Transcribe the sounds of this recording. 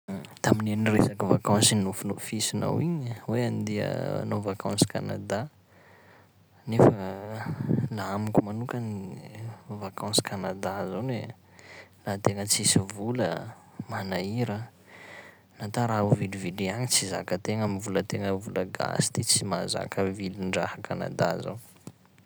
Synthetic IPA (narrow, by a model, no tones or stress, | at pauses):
t̪aminenresakivakãnsinufunofisina̰wiɲweand̪iə̰a̰novakʰãnsi̥kana̰d̪a | nefə | laamikʲumanukani | vakʰãnsi̥kanad̪azone | lat̪eŋət͡sisivulə | manaiɾə | nat̪aɾaɦuviluviliaɲit͡siza̰kət̪eŋamivulət̪eŋəvuləɡa̰si̥t̪it͡simaza̰kəvilinɖ͡ʐahakana̰d̪azaw